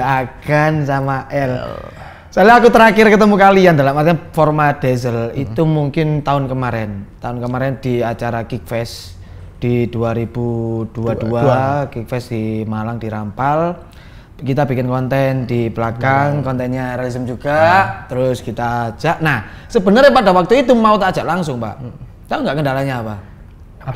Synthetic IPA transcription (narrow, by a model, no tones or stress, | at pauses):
aɡansamaʔɛl | saliakut̪əɾakɪrkət̪əmukaliandalamart̪iɲafɔrmad̥ezəlit̪umuŋkɪnt̪aʊnkəmaɾɛnt̪aʊnkəmaɾɛnd̥iat͡ʃaɾakik̚fɛs | d̥id̥uaɾib̥ud̥uaduakik̚fɛsd̥imalaŋd̥iɾampal | kit̪abikɪnkɔnt̪ɛndibəlakaŋkɔnt̪ɛnɲaɾalisəmd͡ʒuɡ̥at̪əɾʊskit̪ad͡ʒaʔnahsəbənərɲapadawak̚t̪uit̪umaut̪ad͡ʒ̥aʔlaŋsʊŋpa̰ʔ | t̪aʊŋɡaʔkəndalaɲaːpa